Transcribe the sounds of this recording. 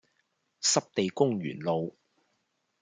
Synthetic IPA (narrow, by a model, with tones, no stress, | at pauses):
sɐ˥p̚t̪e˨jkʊ˥ŋɥy̰ː˨˩nlo˨˧w